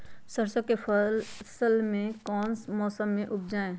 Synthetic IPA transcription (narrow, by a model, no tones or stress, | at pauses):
səɾsəkːepəlsəlmẽkɔːnsmɔːsəmːẽʔʊbʰd͡ʒaːẽː